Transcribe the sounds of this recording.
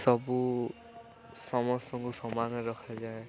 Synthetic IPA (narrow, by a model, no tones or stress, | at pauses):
sɔbu | sɔmɔstɔŋɡusɔmanɔɹɔkʰazaj